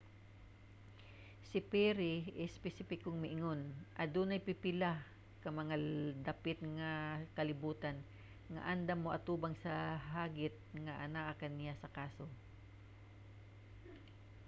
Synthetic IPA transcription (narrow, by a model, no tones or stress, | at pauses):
sɪpɛɾɪɪspɛsɪpɪkoŋmɪʔɪŋonʔɐd̪unɐjpɪpɪla | kɐmɐŋad̪ɐpɪt̪̚ŋakɐlɪbuːt̪an | ŋɐ̰ʔand̪amːoʔɐt̪uːbaŋsɐɦaːɡɪt̪̚ŋɐʔɐnaʔakɐnːɪjasɐkaːso